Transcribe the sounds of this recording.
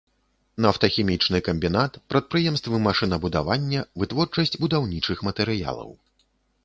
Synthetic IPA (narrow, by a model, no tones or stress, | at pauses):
nɐft̪ɐxʲɛmʲit͡ʂnɨkɐmʲbʲin̪at̪pɾɐt̪̚pɾɨjɛmst̪vɨmaʂɨnɐbud̪a̰vanʲːɐvɨt̪vɔrt͡ʂɐsʲt͡sʲbud̪awnʲit͡ʂɨxmɐt̪ɛɾɨja̰lˠɐ̰w